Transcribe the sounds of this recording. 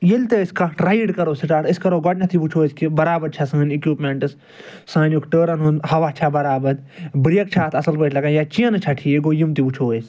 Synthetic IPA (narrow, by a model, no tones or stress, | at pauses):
jelʲt̪eskɐɾɐiɖkɐɾoːsiʈaːʈiskɐɾoːɡɔʈnʲɐt̪ʰibut͡ʃʰoːiskibɐɾaːbɐɾt͡ʃʰɐsɨːnikjuːpmeɳʈɨs | sãːnukʈəːɾɐnɦunhɐʋaːt͡ʃʰabɐɾaːbɐd̪bɾijɐk̚t͡ʃʰaːt̪ʰɐsɐlpəːʈʰʲlɐkanjat͡ʃijɐnɨt͡ʃʰɐʈʰiːeɡojimt̪ibut͡ʃʰoːis